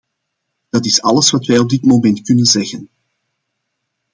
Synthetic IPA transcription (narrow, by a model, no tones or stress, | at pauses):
d̥ɑtɪsɑləsʋɑtʋɛjɔb̚dɪtmomɛntkɵnənzɛɣən